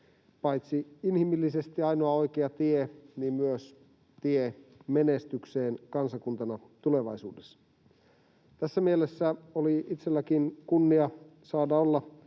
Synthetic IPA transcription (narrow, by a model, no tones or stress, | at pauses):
pɑjt̪siinhimilːise̞st̪iɑjnoɑo̞jkeɑt̪ieniːmmyøs | t̪iemenest̪ykseːnkɑnsɑkunt̪ɑnɑt̪ule̞ʋɑjsṵːdesːɑ̥ | t̪æsːæmielesːæoliit̪selːækinkunːiɑsɑːdɑolːɑ